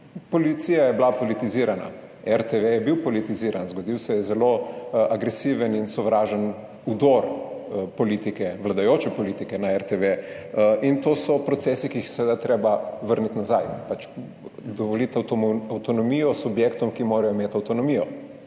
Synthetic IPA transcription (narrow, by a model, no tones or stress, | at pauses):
pɔlit̪siːjajɛblapolit̪iziɾana̰ | ɛɾt̪eʋejɛbiwpɔlit̪iziɾanzɡɔd̪iwsɛjɛzɛloaɡɾɛsiʋəninsɔʋɾaːʒən | ud̪ɔɾpɔliːt̪ikɛʋlad̪ajoːt͡ʃɛpɔliːt̪ikɛnaɛɾt̪eʋe | int̪oːsɔpɾɔt̪sɛːsikiːxseɛʋed̪at̪ɾebaʋəɾnit̪nazajpat͡ʃ | d̪ɔʋɔlit̪awt̪ɔnɔmijɔsubjekt̪ɔmkimoːɾajɔmeːt̪ɐwt̪ɔnɔmiːjɔ̰